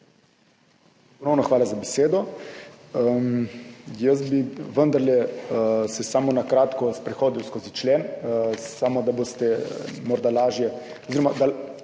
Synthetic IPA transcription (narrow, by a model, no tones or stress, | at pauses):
pɔnownɔxʋaːlazabɛseːd̪ɔ | əm | jəsbiʋənd̪aɾlɛ | sɛsamɔnakɾaːt̪kɔspɾɛxoːd̪iwskoːzit͡ʃlenssamod̪abost̪ɛmɔɾd̪alaːʒjɛ | oziɾɔmad̪a